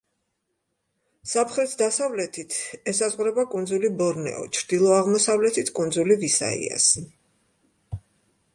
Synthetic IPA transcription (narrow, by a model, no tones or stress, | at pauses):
sapʰχɾɛt̪ʰd̪asavlɛt̪ʰit̪ʰɛsazʁwɾɛbakʼund̪zulibɔɾnɛ̰ɔ̰t͡ʃʰɾd̪̥ilˠɔaʁmɔsavlɛt̪ʰit̪ʰkʼund̪zulivisa̰ḭa̰s